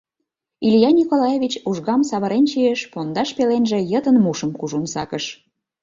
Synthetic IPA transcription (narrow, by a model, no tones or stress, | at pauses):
iljɑnʲikolɑjeβʲit͡ɕuʒɣɑmsɑβəɾent͡ɕijeʃpond̪ɑʃpelenʒĕjət̪ənmuʃəmkuʒunsɑkəʃ